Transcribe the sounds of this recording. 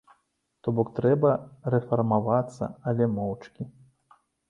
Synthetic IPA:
t̪ɔbɔkt̪ɾɛbɐɾɛfɐrmavat̪sːɐ̰ɐlʲɛmɔwt͡ʂkʲi

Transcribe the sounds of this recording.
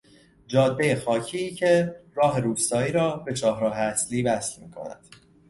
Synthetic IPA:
d͡ʒɒːd̪̚be̞je̞xɒːcʰiːcʰe̞rɒːɦe̞ɾuːst̪ɒːiːɾɒːbe̞t͡ʃʰɒːɦɾɒːɦeæsliːvæslmiːkʰo̞̰næ̰d̪̥

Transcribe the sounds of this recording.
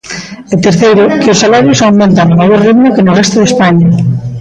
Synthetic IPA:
et̪eɾθejɾʊkɪosːalaɾjosawmẽnt̪aŋomajoɾriðmʊkenorɛst̪oðespaɲa

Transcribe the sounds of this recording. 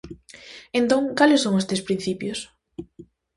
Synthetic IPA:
ent̪õŋkalɪsːoŋoest̪espɾin̟θipjʊs

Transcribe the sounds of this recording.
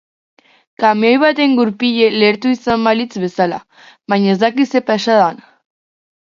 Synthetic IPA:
kameojβat̪e̞ŋɡuɾpiʎe̞le̞ɾt̪uisambalit͡sβe̞sala̰ | βaɲaezd̪akise̞paʃaðan

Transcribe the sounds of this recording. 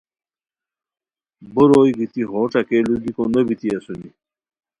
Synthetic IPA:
boɾoːjɡit̪iɦoːʈ͡ʂakeluɡikonəbit̪iasuni

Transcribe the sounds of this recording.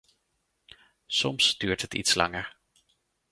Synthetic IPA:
sɔmsd̥yːɹtɦətḭtslɑ̰ŋəɹ

